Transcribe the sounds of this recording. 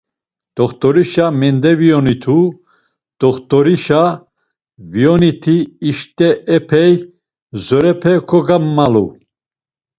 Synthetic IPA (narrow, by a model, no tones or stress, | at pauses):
d̪̥ɔχt̪ʼɔɾiʃamɛnd̪ɛviɔnit̪ʰu | d̪̥ɔχt̪ʼɔɾiʃa | vijɔnit̪ʰiːʃt̪ʼɛɛpʰɛj | zɔɾɛpʰɛkʰɔɡamːalṵ